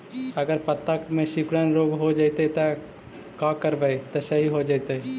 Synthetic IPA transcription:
ɐɡəɾpɐt̪ːəkmẽʃɪkɽənɾoːɡɦod͡ʒaɪt̪et̪ɐ | kãkəɾʋəet̪osɐɦiɦod͡ʒaɪt̪e

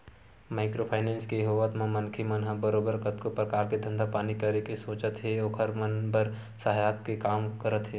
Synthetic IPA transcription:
maːɪkɾopʰaːɪnẽːnskejəɦoːʋət̪mãmɐnkʰimɐnɦabəɾoːbəɾkət̪kopɾɐkaːɾked̪ʱə̃nd̪apaːnikəɾekesoːt͡ʃət̪ɦɛɔːkʰəɾmənbəɾ | sɐɦajaːt̪̚kekaːmkəɾət̪ɦɛː

